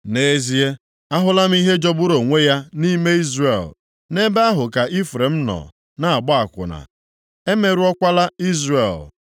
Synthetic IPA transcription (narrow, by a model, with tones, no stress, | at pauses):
ne˨˦zi˦e˦ | a˦ɦʊ˦la˦m̩˦i˦ɦe˦d͡ʒɔ˦bʊ˦ɾo˨ŋʷe˦ja˦ni˦me˦i˦zrḛ˨l | ne˦be˦a˦ɦʊ˨ka˨ʔi˦fɾe˨m̩˦nɔ̰˨ | na˨a˨ɡ͡bɔ˦a˨kʷʊ̰˨na̰˨ | e˦me˨ɾu˦ɔ˦kʷa˦la˦i˦zrḛ˨l